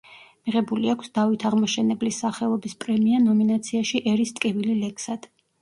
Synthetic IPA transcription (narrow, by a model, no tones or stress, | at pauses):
miʁɛbuliakʷʰsd̪avit̪ʰaʁmɔʃɛnɛblisːaχɛlˠɔbispʼɾɛmianɔminat̪sʰiaʃiʔɛɾist̪ʼkʼivililɛkʰsad̪̥